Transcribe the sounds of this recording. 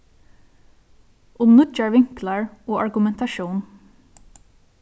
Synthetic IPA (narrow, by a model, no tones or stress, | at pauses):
ʔʊmnʉt͡ʃɑɹʋɪŋkləɹoːʔɑɹɡʉmɛnt̪ɑʃuːn